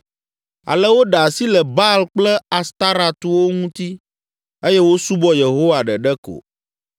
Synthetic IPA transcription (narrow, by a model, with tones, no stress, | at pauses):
a̰˨lɛ˦wo˦ɖa˨si˦lɛ˨ba˦lk͡plɛ˦a˨st̪a˦ɾa˨t̪u˦wo˦ŋũ˦t̪i˦ | e˦jɛ˦wo˦su˦bɔ˦je˨ɦo˦wa˨ɖɛ˨ɖɛ˦ko̰˨